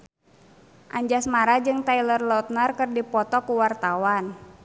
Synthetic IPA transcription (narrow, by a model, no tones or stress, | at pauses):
ʔaɲd͡ʒasmaɾad͡ʒɨŋt̪ailərlɔt̪̚nərkɨrdipɔt̪ɔkuwart̪awan